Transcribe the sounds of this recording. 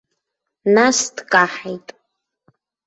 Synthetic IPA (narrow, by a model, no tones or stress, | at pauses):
nastkʼaħejtʼ